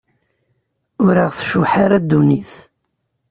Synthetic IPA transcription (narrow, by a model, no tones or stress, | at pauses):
ʊɾaʁθʃuħaɾad̪ːuniθ